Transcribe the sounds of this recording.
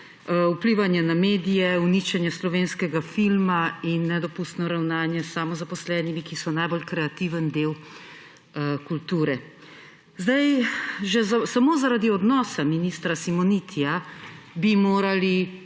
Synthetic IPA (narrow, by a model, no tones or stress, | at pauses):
upliʋanjanameːd̪ijɛunit͡ʃɛnjɛslɔʋeːnskɛɡafilmainːɛd̪ɔpust̪nɔɾawnaːnjɛsːaːmɔzapɔslɛːnimikisɔnajbolkɾɛat̪iːʋənd̪eːw | kult̪uːɾɛ | zd̪ajʒɛzasamoːzaɾaːd̪iɔd̪nɔːsaminist̪ɾasimɔnit̪ʰija | bimoːɾali